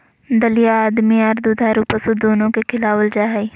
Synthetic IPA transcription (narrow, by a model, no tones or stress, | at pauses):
d̪əlɪjaaːd̪miɐɾd̪ud̪ʱaɾupəsʊd̪oːnõkekʰɪlaːʋəld͡ʒaːɦɛi